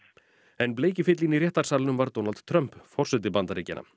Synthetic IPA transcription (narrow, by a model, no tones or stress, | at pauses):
ɛnpleːjcɪfɪt̪liniɾjɛht̪aɾ̥saɾlnʏmvaɾt̪ownalt̪t̪ʰɾœm̥pfɔr̥sɛt̪ɪpant̪aɾiːcɪ̰nːa̰